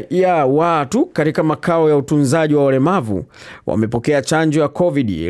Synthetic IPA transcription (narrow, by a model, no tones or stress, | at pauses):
jawatukatikamakaɔjautunzaʄiwawalɛmavṵwʔa̰mɛpɔkɛat͡ʃand͡ʒɔjakɔviɗḭ